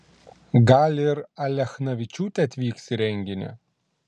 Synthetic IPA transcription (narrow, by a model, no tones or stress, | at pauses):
ɡɐlʲɪɾɐlʲɛxnɐʋʲɪt͡ʃʲuːt̪ʲɛɐt̪ʲʋʲiːksʲɪɾʲɛŋʲɡʲɪnʲɛ̰